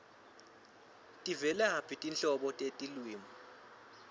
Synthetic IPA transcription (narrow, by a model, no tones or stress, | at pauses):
tʼivɛlɛɦapʰitʼinɬʼɔɓɔtʼetʼilwiːmɔ